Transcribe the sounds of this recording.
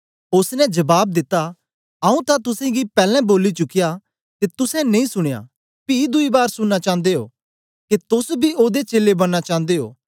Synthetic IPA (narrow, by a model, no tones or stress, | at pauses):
ʊsnɛ̃d͡ʒɐbaːb̚d̪ɪt̪ːa | ɐũt̪at̪ʊsɛ̃ɡipɛːlɛ̃boːlit͡ʃʊkːija | ket̪ʊsɛ̃nɐ̃ĩsʊɽ̃eja̰ː | piːd̪ʊibaːɾsʊɽːat͡ʃãːnd̪eɦo̰ː | ket̪ʊsbʱiʔoːd̪et͡ʃeːlebɐɽːat͡ʃãːnd̪eɦo̰ː